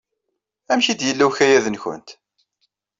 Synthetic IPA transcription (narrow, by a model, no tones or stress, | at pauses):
æmçid̪jəlːæwçæjæðənçə̰nt̪